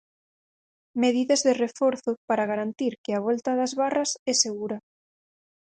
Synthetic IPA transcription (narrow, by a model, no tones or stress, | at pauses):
meðiðɐzðɪrefɔɾθʊpaɾaɣaɾant̪iɾkɪaβ̞ɔlt̪ɐðazβarɐsɛseɣuɾɐ